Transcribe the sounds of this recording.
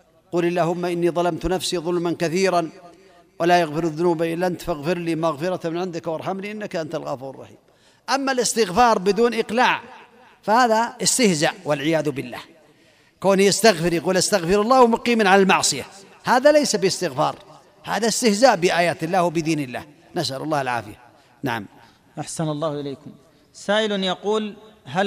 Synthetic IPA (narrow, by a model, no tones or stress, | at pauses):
quːlalːaːhʊmːaʔɪnːiðˤɑlɑmt̪nafsiðˤʊlmankaθiːɾan | walajaɣfɪɾðːʊnuːbaʔɪlːaʔant̪faɣfɪɾliːmaɣfɪɾɑt̪mɪnʕɪnd̪ɪkwɑɾˤħamliʔɪnːakʔant̪alɣɑfuːɾrˤːɑ̰ħḭːm | ʔamːalɪst̪ɪɣfɑːɾˤbɪd̪uːnʔɪqlaːʕ | fahaːðaɪst̪ɪhzaːʔwalʕɪjaːðʊbɪlːa̰ːh | koːnijast̪aɣfɪɾjɑquːlʔast̪aɣfɪɾɑlːɑːhwmʊqiːmanʕalalmɑʕsˤɨja | haːðalejsabɪɪst̪ɪɣfɑ̰ːɾˤ | haːðast̪ɪhzaːʔbɪʔaːjaːt̪ɪlːaːhwabɪd̪iːnɪlːa̰ːh | nasʔalʊ̰lˤːɑːhalʕa̰ːfɪja | naʕam | ʔaħsanɑlˤːɑːhʔɪleːkʊm | saːʔɪlnjɑquːlɦa